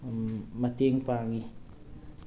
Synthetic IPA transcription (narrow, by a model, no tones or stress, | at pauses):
mat̪eŋpaŋi